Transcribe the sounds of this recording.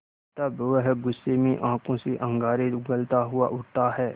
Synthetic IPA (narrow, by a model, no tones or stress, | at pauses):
t̪ɐbʋəɦɡʊsːemẽʔãːkõseʔɐ̃ŋɡaːɾeɡɐlt̪aɦʊaʔʊʈt̪aɦɛː